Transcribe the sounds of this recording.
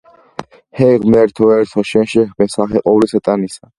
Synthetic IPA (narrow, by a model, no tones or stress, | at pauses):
hɛʁmɛɾt̪ʰɔɛɾt̪ʰɔʃɛnʃɛχbɛnsaχɛqʼɔwlisat̪ʼanisa